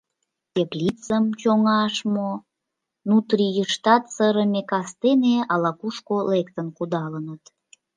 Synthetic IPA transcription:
t̪ʲeplit͡səmt͡ɕoŋɑʃmo | nut̪rijəʃt̪ɑt̪səɾəmʲekɑst̪eneɑlɑkuʃkolekt̪ənkud̪ɑlənət̪

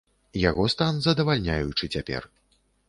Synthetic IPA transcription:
jaɣɔst̪anzɐd̪ɐvalʲnʲajut͡ʂɨt͡sʲapʲɛ̰r

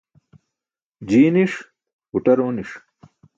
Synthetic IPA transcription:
d͡ʑiːniʂ | uʈ̪ɐɾoːniʂ

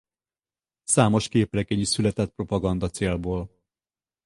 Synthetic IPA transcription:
saːmo̞ʃkeːprɛɡɛɲisylɛt̪ɛt̪̚pro̞pɒɡɒnd̪ɒt̪seːlboːl

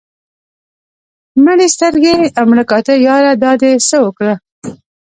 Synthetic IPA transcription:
məɽest̪əɾɡeamɽakɑt̪əjɑɾad̪ɑd̪esəwəkɽə

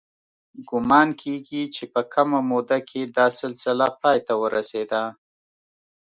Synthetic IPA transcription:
ɡʊmɑnkʰeɡit͡ʃepəkʰamamod̪akʰed̪ɑsɪlsɪlapɑjt̪awəɾased̪a

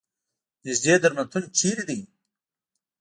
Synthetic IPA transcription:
nɪzd̪eːd̪əɾmant̪ʰunt͡ʃiːɾid̪i

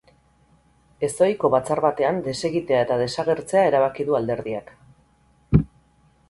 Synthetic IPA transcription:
e̞sojko̞βat͡saɾβat̪e̞and̪e̞se̞ɣit̪e̞aet̪að̞e̞saɣ̞e̞ɾt͡se̞ae̞ɾaβ̞akiðuald̪e̞ɾðiak

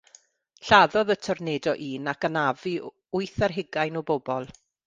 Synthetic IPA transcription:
ɬaðɔðətʰɔrneːdɔʔiːnakənavi | ʊjθarɦɪɡajnɔbobɔlˠ

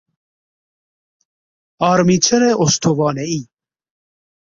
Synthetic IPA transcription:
ɑːɾmit͡ɕʰɐɾeʔost̪ʰovɑːnei

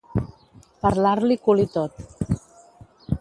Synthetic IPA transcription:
pəɾlaɾlikulit̪ot̪

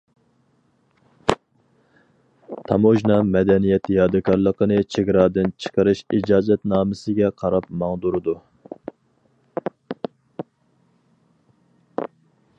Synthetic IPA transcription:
t̪ʰɑ̰moʒnɑmɛd̪ɛnijɛt̪jɑːd̪ɨkʰɑɾlˠəqənɨt͡ʃʰeɡʲɾɑːd̪ɨnt͡ʃʰə̥qəɾɨʃid͡ʒɑːzɛt̪nɑːmɨsɪɡʲɛqʰɑɾɑpmɑŋd̪uɾɨd̪u

